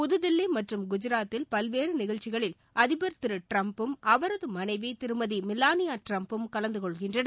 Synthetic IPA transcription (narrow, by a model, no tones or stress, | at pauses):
pʊðɯðɪlːimɐʈrɯmɡʊd͡ʒɪɾaːt̪ːɪlpɐlʋeːɾɯnɪɣɐɻt͡ʃːɪɣɐɭɪl | ʔɐðɪbɐɾt̪ɯɾɯʈɾɐmpɯmʔɐʋɐɾɐðɯmɐnɐɪʋit̪ɪɾɯmɐðimɪlːaːnɪjaːʈrɐmpɯmkɐlɐnd̪ɯkɔɭɣɪndrɐɳɐ